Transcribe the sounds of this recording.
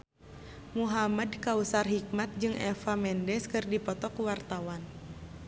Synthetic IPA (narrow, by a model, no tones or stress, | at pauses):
muɦamədkausarɦik̚mat̪̚d͡ʒɨŋʔɛfamɛndɛskɨrdipɔt̪ɔkuwart̪awan